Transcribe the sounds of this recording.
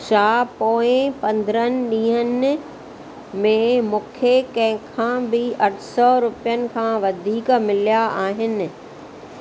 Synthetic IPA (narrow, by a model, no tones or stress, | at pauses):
ʃaːpoːɪ̃pɐ̃nd̪ɾənɪ̆ɗĩːɦən | mẽmũːkʰekɐ̃ɦɪ̃kʰãːbɪɐʈʰsɔɾʊpijənɪ̆kʰãːʋɐd̪ʱiːkmɪlijaaːɦɪnɪ̆